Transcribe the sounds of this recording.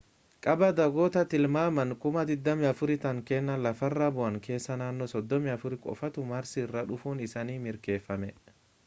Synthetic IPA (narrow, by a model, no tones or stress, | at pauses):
kʼɐbɐd̪ɐɡoːt̪ɐt̪ɪlmaːmɐŋkʊmɐd̪ɪd̪ːɐmɪɐfʊɾɪt̪ɐŋkɛnːɐlɐfɐrːabʊʔɐŋke̞ːsːɐnaːnːɔsɔd̪ːɔmɪɐfʊɾɪkʼɔ̰fɐt̪ʊmaːɾsirːɐᶑʊfuːnɪsaːniːmɪɾke̞ːfːɐmɛ